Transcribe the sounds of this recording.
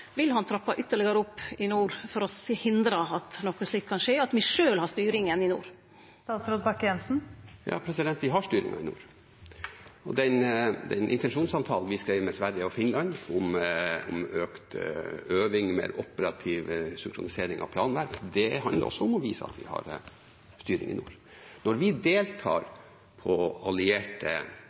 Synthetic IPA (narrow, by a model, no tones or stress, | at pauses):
ʋɪlhɑnt̪ʰɾɑpːɑʔʏt̪ːəɭɪɡəɾəɔpːɪnuːɾfɔɾɔshɪnd̪ɾəɑt̪nɔkːəsɭiːkkʰːɑnʂeːɑt̪ʋɪʂøːlhɑst̪yːɾɪŋənɪnṵːɾ | t̪ɑːst̪ɾɔt̪bɑkːjɛnsn̩jɑ̰ːpʰɾɛsɪd̪ɛnt̪ʋɪɦɑʂt̪yːɾɪ̰ŋɑ̰ɪnṵːɾ | ɔd̪ɛnd̪ɛ̰nʔɪnt̪ɛnʂuːnsɑnt̪ʰɑːlnʋɪskɾæɪʋmɛsʋæɾjəɔfɪnlɑnʊmʊmøːkt̪øːʋɪŋmḛːɾɔ̰pəɾɑt̪ʰiːʋsʏŋkʰɾʊnɪseːɾɪŋɑ̰ʋpʰlɑːnʋæɾkd̪ɛɑnd̪lə̰ɾɔ̰sːɔɔmɔʋiːsəɑ̰t̪ʋɪ̰hɑ̰ɾ | st̪yːɾɪ̰ŋɪ̰nuːɾ | nɔɾʋɪd̪eːlt̪ʰɑ̰ːɾ | pʰɔɑlɪeːʈə̰